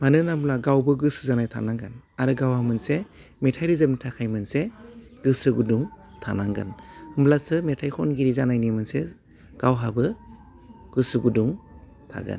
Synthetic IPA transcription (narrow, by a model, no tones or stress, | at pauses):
manɯnablaɡawbɯɡɯsɯzanajtʰa̰naŋɡanaɾɯɡawhamɯnse | metʰajɾizap̚nitʰakʰajmɯnse | ɡɯsɯɡuduŋ | tʰanaŋɡa̰nhɯmblasɯmetʰajkʰɔnɡiɾizanajnimɯnse | ɡ̥awɦabɯ | ɡ̥ɯsɯɡuduŋ | tʰa̰ɡɯ̰n